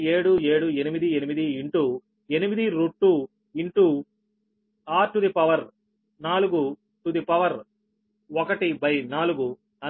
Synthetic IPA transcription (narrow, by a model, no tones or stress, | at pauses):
e̞ːɽue̞ːɽuenimid̪ienimid̪iiɳʈu | enimid̪iɾuʈːu | iɳʈu | aːʈud̪ipɐʋɐɾ | naːluɡu | ʈud̪ipɐʋɐɾ | ɔkɐʈibɐjnaːluɡu | ɐ